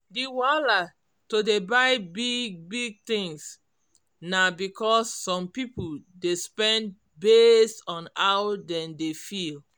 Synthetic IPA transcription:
diwala | todebaɪbiɡ̚biɡ̚t̪ĩŋs | nabikɔsːɔ̃mpipuldespɛ̃nd | bestɔ̃nawdɛ̃ndefil

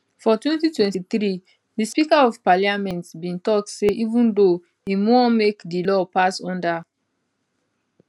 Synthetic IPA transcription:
fɔtwɛ̃ntitwɛ̃ntiθɾi | dispikaɔvpaliamɛ̃ntsbĩntɔk̚tseʔivũndo | imɔmekdilɔpasɔ̃nda

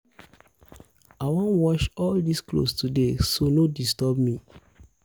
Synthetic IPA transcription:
awɔ̃nwɔʃɔldisklo̰studesonodistɔbmĩ

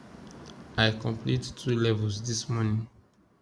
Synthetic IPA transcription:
aɪkɔ̃mpʰlittʰɹulɛvəlsdismɔnĩŋ

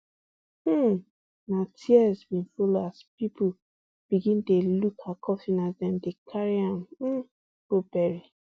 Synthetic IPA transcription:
natʰiɛzbĩfoloaspipʰu | b̥iɡĩntelukʰakʰɔfĩnasdɛ̃mdekʰaɹiãm̩ | b̥obɛɹi

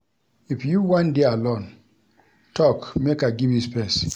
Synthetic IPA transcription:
ifjuwãndealõn | tʰɔkmekaɡivjispɛs

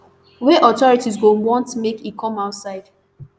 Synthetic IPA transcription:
weʔɔtɔɹitiz̬ɡõnwɔ̃ntmekikʰɔ̃maʊtsaɪd

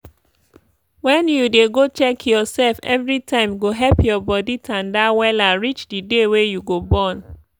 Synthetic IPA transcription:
wɛ̃njudeɡot͡ʃɛkʰjɔsɛlfɛ̰vɹitʰãɪ̃mɡoɦɛlpjɔbɔditʰãndawɛlaɹit͡ʃdidewejuɡobɔ̃n

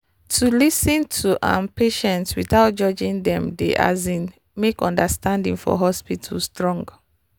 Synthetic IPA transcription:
tʰulisĩntʰuʔã̰npʰeʃɛ̃ntswiθaʊt̚d͡ʒɔd͡ʒĩŋdɛ̃mdḛʔa̰zĩn | mekɔ̃ndəstʰãndḭ̃ŋfɔ̰ɦɔspitʰəlstɹɔ̃ŋɡ

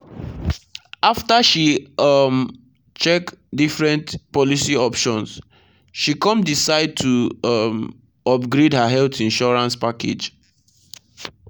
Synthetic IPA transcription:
aftaʃiʌm | t͡ʃɛkdifɹɛ̃ntpɔlisiɔpʃɔ̃ns | ʃikɔ̃mdisaɪd̚tʰuʌm | ɔbɡɹidhaɦɛlθĩnʃɔɹãnspakḛd͡ʒ

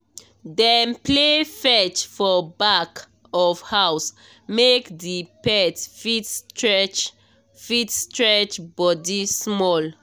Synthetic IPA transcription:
dɛnplefɛt͡ʃfɔbak | ɔfhaws | mekdipɛtfitstɹɛt͡ʃ | fitstɹɛt͡ʃbɔdismɔl

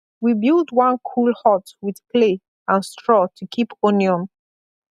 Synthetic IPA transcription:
wibilˠdwʌ̃nkʰulˠhɔtwið̥pʰle | ãnstɹɔtʰukʰiponiɔ̃m

